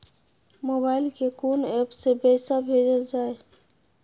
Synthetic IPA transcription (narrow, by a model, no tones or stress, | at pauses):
mobaɪlkekunɛpsebəsabʱed͡ʒəld͡ʒaːe